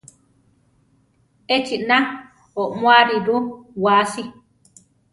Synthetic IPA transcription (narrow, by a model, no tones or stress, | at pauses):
et͡ʃinã | oʔmw̃aɾiɾuwasi